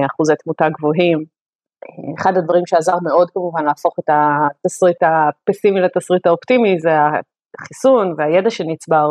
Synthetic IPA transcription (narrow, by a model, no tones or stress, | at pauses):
aχuzet̪mutaɡvoɦim | eχadad̪vaʁimʃeazaʁmeo̞dkamuvanlaafo̞χetat̪asʁitapesimilat̪asʁitaoptimizea | χisunveajedaʃenit͡sbaʁ